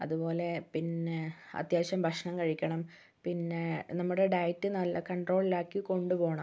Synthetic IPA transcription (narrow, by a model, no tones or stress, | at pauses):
ɐðupo̞ːle̞pinːeɐ̰t̪jaːɕɐmbʱɐʂɐɳɐmkɐɻikʲːɐɳɐm | pinːenɐmːuɽe̞ɖɐjtːɨnɐlːɐkɐɳɖro̞ːɭilaːkːiko̞ɳɖupo̞ːɳɐ